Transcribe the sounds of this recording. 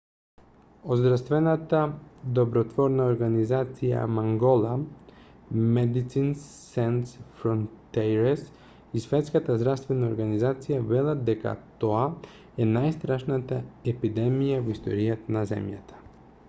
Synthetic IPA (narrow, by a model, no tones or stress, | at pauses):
ozd̪ɾafst̪vɛnat̪ad̪ɔbɾɔt̪vɔɾnaoɾɡanizat̪sija̰maŋɡɔlˠa | mɛd̪it̪sinsːɛnsfɾɔnt̪ɛjɾɛs | isvɛt̪skat̪azd̪ɾafst̪vɛnaoɾɡanizat̪sijavɛlˠad̪d̪ɛka̰t̪ɔa | ɛnajst̪ɾaʃnat̪aɛpid̪ɛmijavɔist̪ɔ̰ɾijat̪anazɛ̰mja̰t̪ḁ